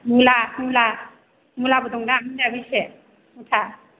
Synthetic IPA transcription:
mulamula | mulabɔdɔŋdamidabise | mutʰa

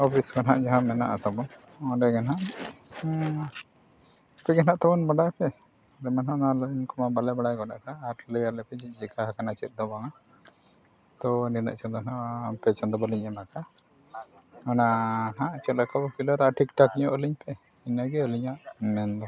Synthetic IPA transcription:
ɔpʰisɡanɦaʔd͡ʒaɦãmɛna̰ʔat̪ɔbɔn | ɔdɛɡanɦaʔ | pɛɡɛnaʔt̪ɔbɔnmaɽajpɛ | ɔdɛmanɦãnalinkɔmabalɛbaɽajɡɔɗa̰ʔkaːɾləjalɛpɛd͡ʒic̚d͡ʒikaɦakanat͡ʃɛt̪̚d̪ɔbaŋa | t̪ɔninə̰ʔt͡ʃɔnd̪ɔnaʔmpɛt͡ʃɔnd̪ɔbɔliɲɛmaka | ɔnanaʔt͡ʃɛakʰabɔkilɔɾaʔaʈikʈɔkɲɔʔɔliɲpɛ | inaɡɛɔliɲaʔmɛnd̪ɔ

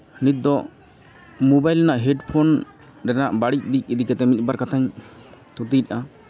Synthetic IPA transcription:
nit̪̚d̪ɔ | mubajlnaʔɦɛɖpʰon | ɾɛnaʔbaɽic̚d̪ic̚ˀid̪ikɛt̪ɛmit̪̚ˀbaɾkat̪ʰaɲt̪ut̪it̪̚ˀʔa

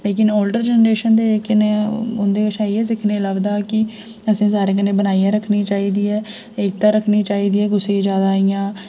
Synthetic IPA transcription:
leːkɪnoːlɖəɾd͡ʒɛːnɾeːʃənd̪eːeːkɪneʊnd̪eːəʃaːieːsɪkʰneːləɡd̪aːkɪ | əsĩːsaːɾeːkəneːbənaːijãːɾəkʰniːt͡ʃaːiːd̪iːɛː | eːk̚t̪aːɾəkʰniːt͡ʃaːiːd̪iːɛːɡʊseĩd͡ʒjaːd̪aːijãː

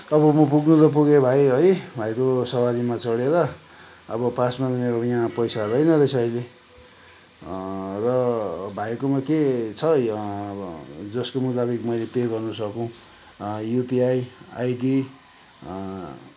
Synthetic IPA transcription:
ʌbʌmʌpuɡnud̪ʌp̬uɡebʱajɦʌjbʱajkosʌwaɾimat͡sʌɽeɾʌ | ʌbʌpasmad̪meɾojãpʌjsarʌjnʌɾʌjsʌile | rʌbʱajkomaket͡sʰʌ | d͡zʌskomut̪abikmʌjlepeɡʌrnusʌkõw̃ | jupiaja̰jɖi

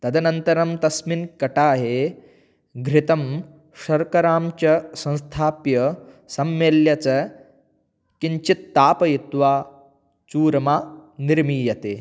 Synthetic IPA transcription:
t̪ɐd̪ɐnɐnt̪ɐɾɐmt̪ɐsminkɐʈaːɦe | ɡʱɾit̪ɐm | ʃɐɾkɐɾaːmt͡ʃɐsɐ̃ñst̪ʰaːpjɐ | sɐmːeːljɐt͡sɐ | kiɲt͡ʃit̪ːaːpɐjit̪ʋaː | t͡ʃuːɾɐmaːniɾmiːjɐt̪eː

